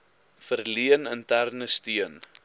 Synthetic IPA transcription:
fərliənəntærnəstiən

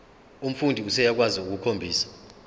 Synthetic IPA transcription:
um̩fundʱiusɛjak̬waziuk̬ukʰombʱiːsḁ

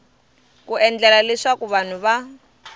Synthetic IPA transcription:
kuɛnd͡ɮɛlaleʂakuβan̤uβa

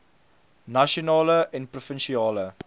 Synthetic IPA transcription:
nɐʃionɑːləɛnprufənʃiɑːlə

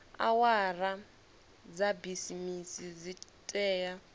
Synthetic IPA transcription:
a̰wara | d͡zabisimisid͡zitʼɛːja

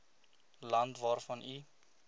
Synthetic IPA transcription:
lɐntvɑːrfɐni

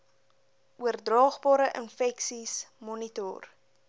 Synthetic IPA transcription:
ʔuərdrɑːχbɑːɾəʔənfɛksismɔnitɔ̰r

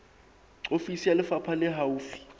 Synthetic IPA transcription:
ǀofisijalɪfapʰalɛɦauːfi̥

